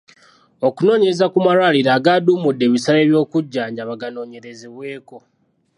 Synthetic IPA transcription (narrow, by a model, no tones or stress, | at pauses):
o̞kuno̞ːɲeezakumalwaliɾaːɡaːduːmudːe̞ːβisale̞ːβjo̞ːkuɟːaːɲɟaβaɡano̞ːɲe̞ɾe̞zeβwe̞ːko̞